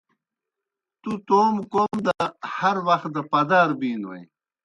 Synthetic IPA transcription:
t̪ut̪oːmkoːmd̪ahɐɾwɐxt̪̚d̪əpɐd̪aːɾbiːnwḛj

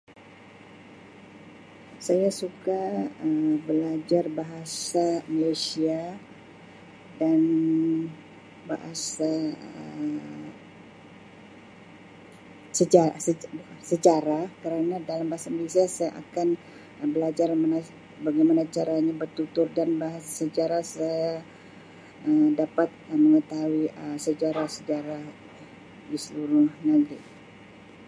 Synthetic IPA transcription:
sajasukaəbəlad͡ʒarbaɦasamalesia | dan | ba̰ɦa̰sa | səd͡ʒaəsət͡ʃaɾakəɾənadalambaɦasaməlisiasaja̰ʔa̰kan | bəlad͡ʒarməna | baɡajmanat͡ʃaɾaɲabərt̪ut̪ʊrdanbaɦasəd͡ʒaɾasaja | əmdapat̪̚əməŋət̪awiəsəd͡ʒaɾasəd͡ʒaɾah | disəluɾʊhnaɡɾi

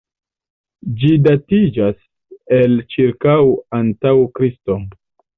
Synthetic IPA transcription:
d͡ʒidatid͡ʒas | elt͡ʃiɾkawantawkɾisto̞

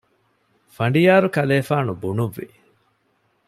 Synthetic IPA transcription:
fɐɳɖijaːɾukɐleːfaːnubunuʋːḭ

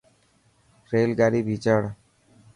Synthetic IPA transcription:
ɾelɡaɾibʱit͡ʃəɽ

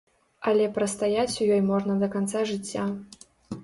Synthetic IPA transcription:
ɐlʲɛpɾɐst̪ajat͡sʲujɔjmɔʐnɐd̪ɐkant̪saʐɨt͡sʲːa

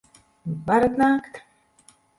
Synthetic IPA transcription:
baɾat̪naːkt̪

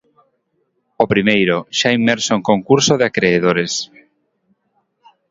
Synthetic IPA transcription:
opɾimejɾoʃaimɛɾsoeŋkoŋkuɾsoðeakɾeːðoɾes

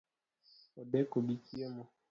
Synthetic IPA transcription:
ɔdɛkobikiɛmɔ

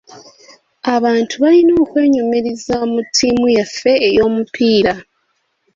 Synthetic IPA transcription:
aβaːntʰuβalino̞ːkwe̞ːɲomeɾezamutʰːiːmujafːe̞ːjo̞ːmupʰiːɾa

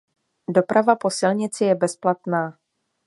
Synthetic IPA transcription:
do̞pɾʔavapo̞sɪlɲɪt͡sɪjɛbɛsplat̪naː

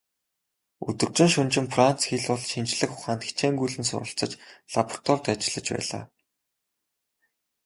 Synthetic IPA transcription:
ɵ̰t̪ɵ̆rt͡ɕɪ̆nʃɵnt͡ɕɪ̆mfran̥t͡sxiːɮʊɮʃint͡ɕɮɘ̆kχʊχaːnt̪xi̥t͡ɕeːŋɡujɮɘ̆nsʊ̰ɾə̆ɬt͡sɞ̆t͡ɕɮapr̥t̪ʰɔrt̪at͡ɕɪ̆ɮə̆t͡ɕpæ̰ːɮa̰ː

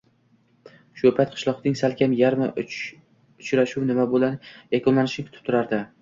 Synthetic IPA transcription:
ʃopʰat̪̚qʰɨ̥ʃlˠɒqnɪŋsalkʲʰamjaɾma | ʊt͡ʃɾaʃuwnɪmabolanjakʰʲonlanɪʃɪnɪkʰʊt̪ʰɪ̥p̚t̪ʰʊɾaɾd̪ɪ

